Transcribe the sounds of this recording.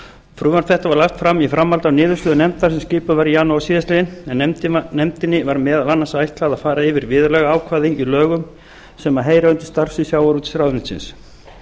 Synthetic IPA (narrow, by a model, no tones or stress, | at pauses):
fɾʏːvanfɛht̪avaɾlaft̪fɾamifɾamːalt̪awnɪːðʏɾslʏːðʏnɛmt̪aɾ̥sɛmsciːpʏvaɾjaːnoasiːðast̪ɪðɪnɛnnɛmt̪ɪnːɪvaɾmɛːðalanːasajht̪laaðafaːɾaɪvɪɾvɪːðʏɾlɛɣaaːwkʰvaːðɪnilœːɣʏm | sɛmaðɦeːjɾaœnt̪ʏ̥st̪aɾ̥sʏɪsjaːwaɾut̪ɪ̥sɾawðʏnɪnsɪ̰ns